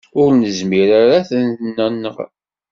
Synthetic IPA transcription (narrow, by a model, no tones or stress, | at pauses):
ʊɾnəzmiɾaɾaθənθnːənːə̰ʁ